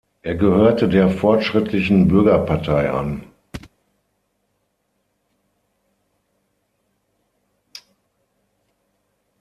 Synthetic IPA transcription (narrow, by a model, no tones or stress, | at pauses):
ʔeːɐɡəhøːɐtədeːɐfɔɐtʃʁ̥ɪtʰlɪçn̩bʏɐɡɐpʰaɐtʰaɪʔa̰n